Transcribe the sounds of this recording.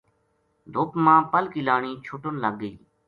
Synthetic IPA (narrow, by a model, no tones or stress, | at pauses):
d̪ʱʊpmãːpəlkilaːɳiːt͡ʃʰʊʈʊnləɡiː